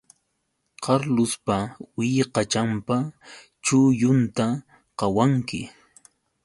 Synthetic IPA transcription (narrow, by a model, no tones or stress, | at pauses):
qʰɑɾlʊspawɪjqɑt͡ʃampa | t͡ʃʊjʊnt̪a | qɑwaŋkɪ̰